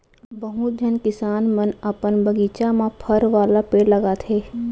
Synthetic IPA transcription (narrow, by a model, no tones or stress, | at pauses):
bəɦut̪̚d͡ʒʱənkɪsaːnmənəpənbəɡiːt͡ʃamãpʰəɾʋaːlapeːɽlɐɡat̪ʰeː